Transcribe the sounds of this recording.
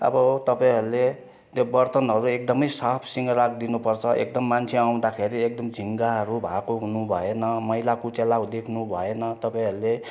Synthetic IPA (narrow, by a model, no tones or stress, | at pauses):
ʌ̰bʌt̪ʌpaĩɦʌɾule | t̪obʌrt̪ʌnɦʌɾuek̚d̪ʌmʌjsapʰsiŋɡʌɾakd̪inupʌrt͡sʰʌʔḛkd̪ʌmːant͡sʰeaw̃d̪akʰeɾiek̚d̪ʌmd͡zʱiŋɡaɦʌɾubʱakoɦunubʱʌenʌmʌjlakot͡selaud̪ekʰnubʱʌenʌt̪ʌpaĩɦʌɾule